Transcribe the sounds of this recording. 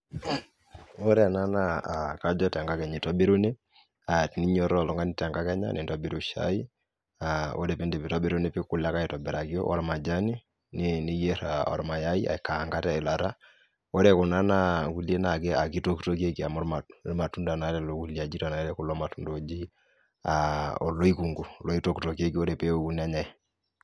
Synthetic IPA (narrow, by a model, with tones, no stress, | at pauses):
o˦ɾɛ˦a˨na˦naa˨ka˦d͡ʒɔ˦tɛ˨ŋɡa˦kɛ˨ɲi˨tɔ˦be˦ɾu˦ne˦ | atni˦ɲɔ˦ɾɔ˨lɔ˦ŋɡa˦ni˨tɛ˨ŋɡa˦kɛ˦ɲa̰˦ni˨ntɔ˦bi˦ɾu˨ʃa̰˦i˦ | a˨o̰˦ɾɛ˨pi˦ndɛ˨pi˨tɔ˦be˦ɾu˦ne˦pi˦ku˨la˦ka˦i˨tɔ˨bɛ˨ɾa˨ki˦ɔ̰˦ʔɔ̰˦ɾma˨d͡ʒa˦ni˦ | nini˦je˦ɾa˨ɔ̰˨ɾma˨ja˦i˦a̰˨kːa˨ŋɡa˦tɛ˦ɛ˨la˨ɾa˦ | o˦ɾɛ˨ku˨na˦na˦ku˦lje˦na˨kɛ˦a˨ki˦to˦kto˦ke˦ki˨a˨mɔ˦ɾma˨ɾma˨tu˦nda˨na˨˦ɾɛ˨lo˦ku˦lia˨d͡ʒi˦ta˨na˨˦ɾɛ˦ku˦lɔ˦ma˨tu˦ndod͡ʒi˦ | aɔ˨lo˦i˦ku˨ŋɡu˨lo˦i˦to˦kto˨ke˦ki˦o˦ɾɛ˨pe˦o˨ku˦na˦ɲa˦ɛ˨